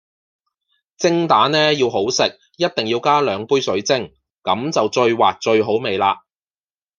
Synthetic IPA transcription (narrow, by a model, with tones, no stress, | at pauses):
t͡sɪ˥ŋt̪aː˨˥nnɛː˥jiː˧wɦo˨˥wsɪ˨k̚ | jɐ˥t̚t̪ɪ˨ŋjiː˧wkaː˥lœː˨˧ŋpuː˥jsɵ˨˥ɥt͡sɪ˥ŋ | kɐ˨˥mt͡sɐ˨wt͡ʃɵ˧ɥwaː˨k̚t͡ʃɵ˧ɥɦo˨˥wme˨jlaː˧